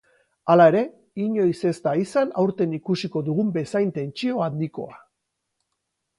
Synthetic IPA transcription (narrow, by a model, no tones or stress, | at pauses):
alae̞ɾe̞ | iɲo̞jse̞st̪aisanawɾt̪e̞nikusiko̞ðuɣumbe̞sajnt̪e̞nt͡ʃio̞and̪iko̞̰a